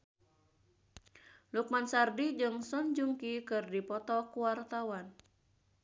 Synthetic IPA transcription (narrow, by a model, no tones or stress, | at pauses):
luk̚mansardid͡ʒɨŋsɔnd͡ʒuŋkikɨrdipɔt̪ɔkuwart̪awan